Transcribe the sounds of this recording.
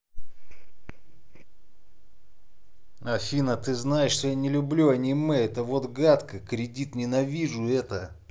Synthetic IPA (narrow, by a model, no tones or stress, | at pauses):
afʲinət̪ɨznajɪʂʂt̪ojanʲɪlʲʊblʲuɐnʲimɨɛt̪əvot̪ɡat̪kəkɾʲɪdʲit̪nʲɪnɐvʲiʐʊɛt̪ə